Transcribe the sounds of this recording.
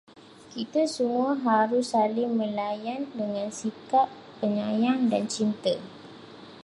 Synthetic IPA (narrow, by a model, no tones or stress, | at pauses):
kit̪asəmũaɦaɾʊsalɪŋmə̃lajandəŋãnsikaʔ | pːəɲajaŋdant͡ʃint̪ə